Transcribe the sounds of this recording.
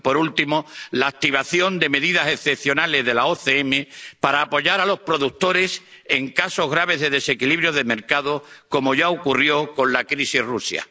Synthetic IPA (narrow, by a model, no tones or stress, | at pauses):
po̞ɾult̪imo̞laːk̚t̪iβ̞aθjo̞nd̪e̞me̞ðiðase̞θepθjo̞nale̞zðe̞laoθeeme̞paɾaːpo̞ʝaɾalo̞spɾo̞ðut̪o̞ɾe̞s | e̞ŋkaso̞ɦɣ̞ɾaβ̞e̞zðe̞ðe̞se̞kiliβɾjoðeme̞ɾkaðoko̞mo̞ʝaokurjo̞ko̞nlakɾisiɦrusja̰